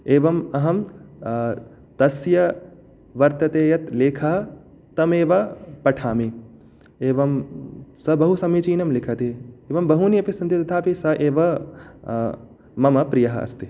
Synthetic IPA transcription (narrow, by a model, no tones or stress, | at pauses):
eːʋɐmɐɦɐm | t̪ɐsjɐ | ʋɐɾt̪ɐt̪eːjɐt̪leːkʰɐɦɐ | t̪ɐmeːʋɐpɐʈʰaːmi | eːʋɐmsɐbɐɦusɐmit͡ʃiːnɐmlɪkʰɐt̪eeːʋɐmbɐɦunijɐpisɐnt̪it̪ɐt̪ʰaːpisɐʔeːʋɐ | mɐmɐpɾijɐɦɐ̰ɐ̰st̪i